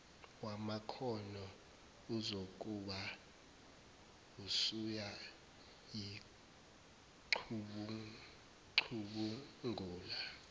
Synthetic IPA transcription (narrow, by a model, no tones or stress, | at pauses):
wamakʰɔnɔ | uzok̬ʼuɓa | usuja | ji | ǃʰuɓu | ǀʰuɓuŋʱuːla